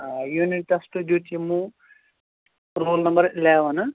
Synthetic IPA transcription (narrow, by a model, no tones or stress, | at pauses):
juniʈːɐsʈud̪jut̪imːu | ɾoːlnɐmbɐɾilɛːʋɐnɐ